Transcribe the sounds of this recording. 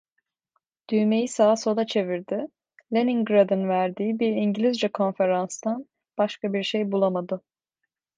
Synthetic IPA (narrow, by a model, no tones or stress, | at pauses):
d̪̥yjme̞jisaːsod̪at͡ʃʰe̞viɾd̪ɪ | lʲeniŋɡɾad̪ɯnvæɾd̪iːibiɾiɲɟilʲizd͡ʒɛkʰo̞nfe̞ɾanst̪an | b̥aʃkabiɾʃejbulˠamad̪ɯ